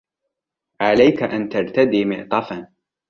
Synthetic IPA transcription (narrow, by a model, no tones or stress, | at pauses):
ʕalajkaʔant̪aɾˤt̪ad̪iːmɪʔt̪ˤɑfan